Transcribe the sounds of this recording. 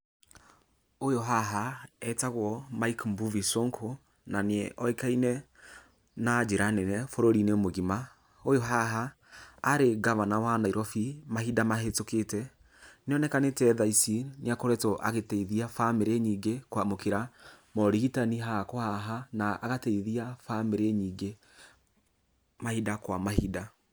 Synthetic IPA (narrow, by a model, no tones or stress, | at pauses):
ojoɦaɦaɛtaɣwɔmaikmbuvisoŋkʰo | naneɛʔɔekainɛ | nad͡ʒeɾanɛnɛfoɾoɾineomoɣima | ojoɦaɦaː | ɾeɡamanawanaiɾɔfimaɦidamaɦetoketɛ | neɔnɛkanetɛðaisineakoɾɛtoʔa̰ɣetɛiðiafameɾeɲiːɡekwamokeɾamɔɾiɣitaniɦakohaɦanaʔːɣatɛiðiafameɾeɲiːɡe | mahidakwamahida